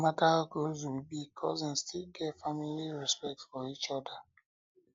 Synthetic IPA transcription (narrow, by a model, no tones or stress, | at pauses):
matalɡozwibikʰɔzĩnstʰilɡɛtfamiliɹɛspɛk̚tsfɔit͡ʃɔda